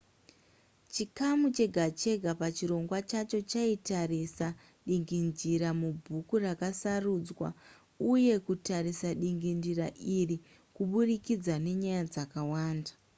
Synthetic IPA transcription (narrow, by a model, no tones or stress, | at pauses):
t͡ʃikamut͡ʃe̞ɡʱat͡ʃe̞ɡʱapat͡ʃiɾo̞ŋɡwat͡ʃat͡ʃo̞t͡ʃaitarisa | ɗiŋɡind͡ʒiɾamubʱukurakasaruːd͡zwa̰ | uje̞kutaɾisaɗiŋɡindiraʔiri | kuɓurikid͡zane̞ɲajad͡zakawaːnda